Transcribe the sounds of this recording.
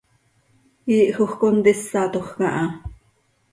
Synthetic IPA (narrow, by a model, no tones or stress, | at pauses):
iːʔxoχkont̪isːɑt̪oχkɑʔɑ